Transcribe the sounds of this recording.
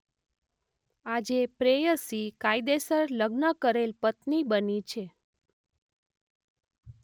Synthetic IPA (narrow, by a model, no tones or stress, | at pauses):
ad͡ʒepɾejəsikajd̪esəɾləɡnəkəɾelpət̪nibənit͡ʃʰe